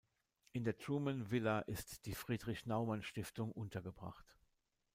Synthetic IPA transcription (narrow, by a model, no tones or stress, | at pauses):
ʔɪndeːɐdʁuːmənvɪlaʔɪstd̥iːfʁ̥iːdʁɪçnaʊmanʃtɪftʊŋʔʊntɐɡəbʁa̰χt